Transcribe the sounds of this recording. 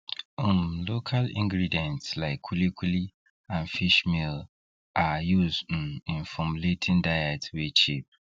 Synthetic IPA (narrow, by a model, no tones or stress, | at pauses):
ũmlokʰalĩŋɡɹidiɛ̃ntslaɪkʰːulikʰili | ãnfiʃmil | ʔajuzd̩̃nĩnfɔmletʰĩndaɪɛtwet͡ʃip̚